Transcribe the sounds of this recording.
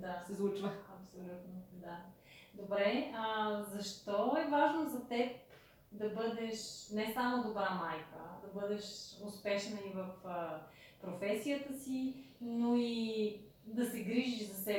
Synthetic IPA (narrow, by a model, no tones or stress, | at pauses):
d̪asɛzvˠut͡ʃvəɐpsolʲut̪nod̪a | d̪obɾɛəzɐʃt̪ɔɛvaʒnozɐt̪ɛp | d̪ɐbɤd̪ɛʃnɛsamod̪obɾamajkə̰d̪ɐbɤd̪ɛʃʊspɛʃnəivəfəpɾofɛsijət̪əsinoi | d̪ɐsɛɡɾiʒiʃzɐsɛ